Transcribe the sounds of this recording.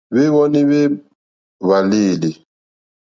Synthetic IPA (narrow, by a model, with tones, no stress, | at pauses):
βe˦βɔ˦ni˦βe˦ | βa˨liː˦˨li˨